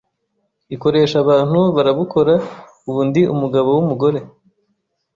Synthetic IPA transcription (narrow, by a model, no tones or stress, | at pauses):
iko̞ɾe̞ːʃaβaːn̥huβaɾaβuko̞ɾa | uβuːndiumuɡaβo̞wumuɡo̞ɾe̞